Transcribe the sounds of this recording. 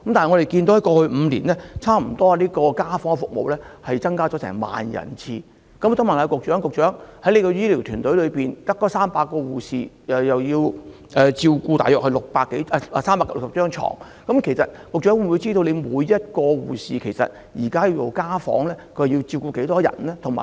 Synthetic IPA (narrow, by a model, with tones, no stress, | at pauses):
kɐ˦m̩t̪a˨n˨˩ŋɔ˨˧t̪e˨jkiː˧nt̪o˨˧˥jɐ˥˩˥kɔː˧hɵ˧m̩˨˧liː˨˩nlɛː˥t͡sʰaː˥m̩˨˩t̪ɔː˥˨˧liː˥kɔː˧kaː˥fɔː˨˥ŋ˧˩fʊ˨k̚mo̰˨wlɛː˥hɐ˨jt͡sɐ˥ŋkaː˥t͡ʃɔ˨˥sɛ̰ː˨˩ŋma̰ː˨njɐ̰˨˩nt͡sʰiː˧ | kɐ˨˥m˧t̪ʊ˥ma˨˩naː˨˧kʊ˨k̚t͡ʃœː˨˥ŋkʊ˨k̚t͡ʃœː˨˥ŋhɐ˨˥jle˨˧jkɔ˧jiː˥li˨˩wt̪ʰyː˨˩nt̪ɵ˨˥ɥlɵ˨˧ɥpiː˨˩nt̪ɐ˥kːɔː˨˥saː˥mpaː˧kːɔː˧wuː˨˩siː˨jɐ˨jɐ˨wjiː˧w | ʔɛː˨t͡siː˧wkuː˧t̪a̰ː˨jœː˨k̚hɐ˧lʊ˨k̚paː˧kːe˨˥jɛ˨saː˥mpaː˧kːa˧lsɐ˨˩pt͡ʃœː˥ŋt͡ʃʰɔ̰ː˨˩ŋ | kɐ˨˦˥mkʰe˨˩jsɐ˨t̚kʊ˨k̚t͡ʃœː˨˥wmwu˨˧jt͡siː˥t̪o˧wle˨˧jmuː˨˧jːɐ˥t̚kɔː˧wuː˨˩siː˨kʰe˨˩jsɐ̰˨t̚ | jiː˨˩kaː˥jiː˧wjo˨˩wkaː˥fɔ̰ː˨˥ŋlɛː˥kʰɵ˧jjiː˧wt͡siː˧wkuː˧ke˨˥jt̪ɔː˥jɐ̰˨˩nlɛː˥t̪ʰʊ˨˩ŋma̰ː˨